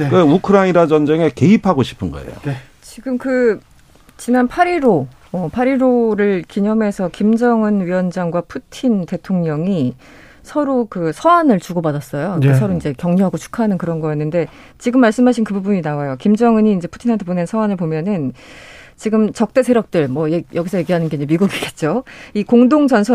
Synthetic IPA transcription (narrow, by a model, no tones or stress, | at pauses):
keukʰɯɾaiɾad͡ʑʌnd͡ʑe̞ŋe̞ke̞ipʰaɡoɕʰi̥pʰɯnɡʌ̰ḛjo̰ | t͡ɕiɡɯmkɯ | t͡ɕinanpʰaɾiɾo | ʌpʰaɾiɾoɾɯɭkiɲʌme̞sʰʌkimd͡ʑʌŋɯnɥiwʌnd͡ʑaŋɡwapʰutʰinte̞tʰoŋɲʌŋi | sʰʌɾokɯsʰʌwanɯɭt͡ɕuɡobadas͈ʌjoesʰʌɾoind͡ʑe̞kjʌŋɲuɦaɡot͡ɕʰu̥kʰanɯnkɯɾʌnɡʌjʌnːɯnde̞ | t͡ɕiɡɯmːaɭs͈ɯmɦaɕʰinkɯbubuɲinawajokimd͡ʑʌŋɯɲiːnd͡ʑe̞pʰu̥tʰinɦatʰepone̞nsʰʌwanɯɭpomjʌnɯn | t͡ɕiɡɯmt͡ɕʌk̚t͈e̞sʰe̞ɾjʌk̚t͈ɯɭmwʌjejʌɡisʰʌje̞ɡiɦanɯnɡe̞iɲd͡ʑe̞miɡuɡiɡet̚t͡ɕ͈oikoŋdoŋd͡ʑʌnsʰʌ